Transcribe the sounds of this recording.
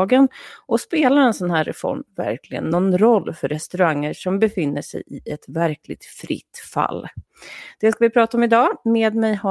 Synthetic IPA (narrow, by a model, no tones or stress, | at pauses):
ɡənʔɔspeːlaɾɛnsɔnɦæːɾɾɛfɔ̰ɾmvæ̰ɾklɪɡə̰nːɔnɾɔlːfœɾɛst̪ɵɾaŋːəɾʂɔmbɛfɪnːəʂɛ̰jɪʔɛt̪væɾkʰlɪ̰ɡ̚t̪fɾɪ̰t̪ːfa̰lː | d̪̥ɛskavɪpʰɾɑːt̪aɔmɪd̪ɑːmeːd̪mɛjha